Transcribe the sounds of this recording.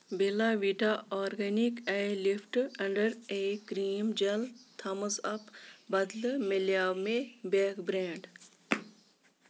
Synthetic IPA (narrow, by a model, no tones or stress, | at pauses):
belaʋiʈaɔːɾɡenikɛjlifʈɐɳɖəɾekɾiːmd͡ʒɐlt̪ʰɐməzɐpbɐd̪lmeljaːmebekbɾeːɳɖ